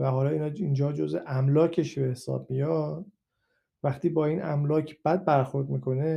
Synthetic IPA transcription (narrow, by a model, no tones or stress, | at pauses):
væhɒːlɒːiːnɒːind͡ʒɒːd͡ʒozḛʔæmlɒːcʰe̞ʃbehesɒ̰ːb̥̚mijɒ | væχt̪iːbɒːiːnæ̰mlɒːcʰb̥æd̪̚bæɾxo̞ɾd̪miːkʰo̞ne